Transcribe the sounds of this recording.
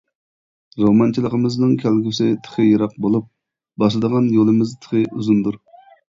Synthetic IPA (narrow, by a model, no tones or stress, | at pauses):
ɾomɑnt͡ʃʰilˠəqəmɪznɨŋkʲʰælɡʲysɪt̪ʰə̥χʰəjɑɾɑqbolˠup̚ | bɑʃlˠɨd̪əʁɑnjolˠɨmɪzt̪ʰə̥χəʔuzund̪uɾ